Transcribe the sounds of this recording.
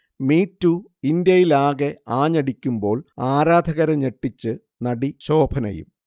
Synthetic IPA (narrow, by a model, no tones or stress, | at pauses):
miːtːu | ind̪jɐjilaːɣe̞aːɲɐɽikʲːumbo̞ːɭaːɾaːd̪ʱɐɣɐɾɐɲeʈːit͡ɕːɨ | nɐɽiɕo̞ːbʰʱɐnɐ̰jṵm